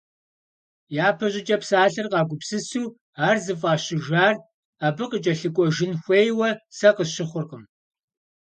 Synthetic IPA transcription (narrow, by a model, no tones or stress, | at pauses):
jaːpʰɐʑʼɪt͡ʃʼɐpsaːɬɐrqɑːɡʷʊpsɨsuː | aːrzɨfʼɑːɕɪʒaːr | aːbɨqət͡ʃʼɐɬɨkʷʼɔʒɪnxʷeːjwɐsɐqəɕɪχʷʊrqəm